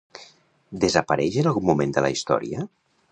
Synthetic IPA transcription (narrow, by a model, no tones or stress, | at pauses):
d̪əzapaɾɛʒənalˠɣumumend̪əla̰ist̪ɔ̰ɾiə